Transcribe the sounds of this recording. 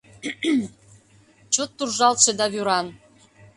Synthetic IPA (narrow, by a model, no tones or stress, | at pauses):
t͡ɕot̪ːurʒɑlt̪ʃĕd̪ɑβyɾɑn